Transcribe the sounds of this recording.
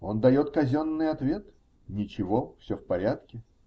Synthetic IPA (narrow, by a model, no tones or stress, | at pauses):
o̞nd̪ɐjo̞t̪kɐzʲonːɨjɐt̪vʲe̞t̪ | nʲɪt͡ɕɪvo̞fsʲɵfpɐɾʲat̪kʲɪ